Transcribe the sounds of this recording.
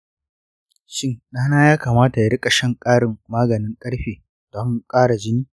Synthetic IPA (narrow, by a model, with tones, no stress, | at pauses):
ʃɪ˦ŋɗaː˦naː˦jaː˦kaː˨maː˦ta˨ja˦ɽɪ˦kʼa˨ʃɐ˦ŋkʼaː˦ɽɪ˨mːaː˦ɡɐ˨nɪ˦ŋkʼɐ˦ɽɸeː˨ | d̥ɔ˦ŋkʼaː˦ɽa˨d͡ʒɪ˦niː˦